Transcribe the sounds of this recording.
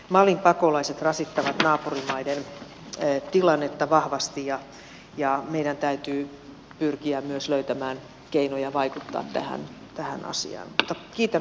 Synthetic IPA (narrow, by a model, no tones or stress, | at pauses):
mɑlimpɑkolɑiset̪rɑsit̪ːɑʋɑt̪nɑːpurimɑidenː | t̪ilɑnːet̪ːɑʋɑhʋɑst̪ijɑ | jɑmeidænt̪æyt̪yː | pyrkiæmmyøsløyt̪æmæːn | keinojɑʋɑikut̪ːɑ̰ːt̪t̪æ̰hæ̰n | t̪æhæ̰nʔɑ̰sḭɑ̰ːnmut̪ːɑkiːt̪æ